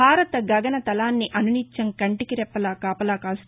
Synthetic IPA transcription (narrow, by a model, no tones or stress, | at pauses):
aːɾɐt̪ɐɡɐɡɐnɐt̪ɐlaːnːiʔɐnunit͡ʃːɐŋkɐɳʈikiɾɛpːɐlaːkaːpɐlaːkaːs